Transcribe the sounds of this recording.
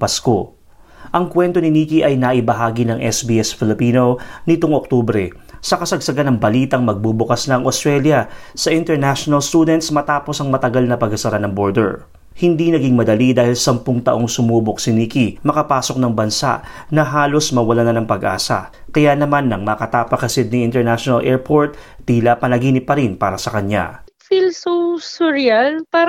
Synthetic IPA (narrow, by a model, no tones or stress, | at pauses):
pɐsko̞ | ʔɐŋkwɛnt̪o̞nɪniːkiʔɐjnaʔɪbɐɦaːɡinɐŋʔɛsbiʔɛsfɪlɪpiːno̞nɪt̪oŋok̚t̪ubɾɛ | sɐkɐsɐɡsɐɡanɐŋbɐliːt̪ɐŋmɐɡ̚bubʊkasnɐɐŋʔost̪ɾɛljɐ | sɐʔɪnt̪ɛɹnaʃonɐlst̪uːd̪ɛnt̪smɐt̪aːpo̞sɐŋmɐt̪ɐɡalnɐpɐɡsɐsɐɾanɐŋbo̞ɹd̪ɛ̰ɹ | hɪnd̪inɐɡiŋmɐd̪ɐlid̪aːhɪlsɐmpʊŋt̪ɐʔo̞ŋsʊmuːbok̚sɪniːkimɐkɐpaːso̞k̚nɐŋbɐnsa̰ʔnɐɦaːlo̞smɐwɐlanɐnɐŋpɐɡʔa̰ːsɐ̰kɐjanɐmanːɐŋmɐkɐt̪apɐkɐsɪd̪̚niʔɪnt̪ɛɹnaʃonɐlʔɛːɹpʰo̞ɹt̪̚ːiːlapɐnɐɡiːnɪpɐɾinpaːɾɐsɐkɐɲa̰ | filsosʊɾjalpa